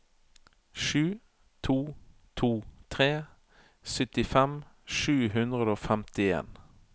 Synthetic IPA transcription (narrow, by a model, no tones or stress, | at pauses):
ʃʉː | t̪ʰuːt̪ʰuːt̪ʰʁeː | sʏt̪ɪfɛmʃʉːhʉnd̪ʁəd̪əoːfɛmt̪ɪḛːn